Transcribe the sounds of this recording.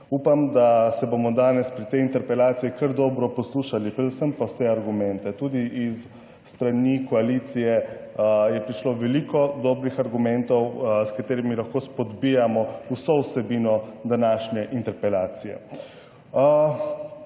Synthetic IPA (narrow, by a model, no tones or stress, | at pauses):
upamd̪asɛbomɔd̪aːnɛspɾit̪ɛjint̪ɛɾpɛlaːt̪siikəɾd̪ɔːbɾɔpɔsluːʃalipɾɛd̪usəmpawsɛaɾɡumɛnt̪ɛt̪uːd̪iʔisː | t̪ɾanikɔaliːt̪sijɛ | jɛpɾiʃloʋɛliːkɔd̪ɔːbɾixaɾɡumɛnt̪ɔwskat̪eːɾimilaxkoːspɔd̪bijamɔusowsɛbiːnɔd̪anaːʃnjɛʔint̪ɛɾpɛlaːt̪sijɛ̰